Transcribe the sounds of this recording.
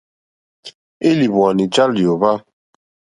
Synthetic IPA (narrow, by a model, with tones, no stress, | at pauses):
e˦li˨bwa˨ni˨d͡ʒa˦ljo˨βa˦